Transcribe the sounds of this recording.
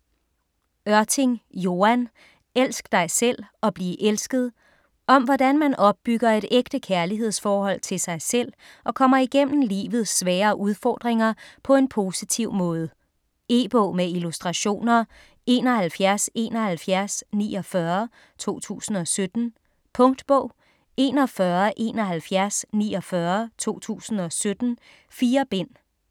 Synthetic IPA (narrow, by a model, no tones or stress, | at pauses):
ɶɐt͡sʰeŋjo̝æn | el̰sɡ̥əd̥ɑ̈ɪsel̰ɒ̽b̥liːʔelsɡ̥əð̞̩ˠ | ʔɒ̽mʋɒd̥ænmænʔɒ̽b̥̚ːyɡ̥ɐe̝ɾeɡ̥d̥əkʰæɐliɦe̝ð̞̰ˠsfɒːɦɒ̽l̰t͡sʰe̝lsɑ̈ɪsel̰ | ʔɒ̽kʰɒ̽m̰ɐiɡ̥em̰n̩lḭːʋð̞̩ˠsːʋɛːɐːʔuð̞ˠfɒ̰ːd̥ʁeŋɐpʰɒ̽e̝npʰo̝ːsit͡sʰiʊ̰mɔ̽ːð̞ˠə | e̝̰ːb̥ɔʊ̰meilusd̥ʁɑ̈ɕo̝̰ːnɐ | e̝̰ːnɒ̽hælfjæɐse̝̰nɒ̽hælfjæɐsnḭːɒfɶɐ | t͡sʰo̝̰ːt͡sʰṵːsn̩ɒ̽sød̥n̩ | pʰɔ̽ŋd̥b̥ɔʊ̰ | e̝ːnɒ̽fɶːɐʔe̝̰ːnɒɦælfjæɐsniːɒ̽fɶɐt͡sʰo̝̰ːt͡sʰṵːsn̩ɒ̽sød̥n̩ | fiːɐb̥e̝n̰